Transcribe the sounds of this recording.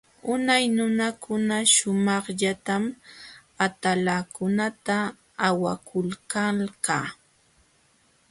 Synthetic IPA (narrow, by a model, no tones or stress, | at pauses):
ʊnajnʊnakʰʊnaʃʊmɑχʎat̪am | at̪alakʊnat̪aː | wakʰʊlkalkaː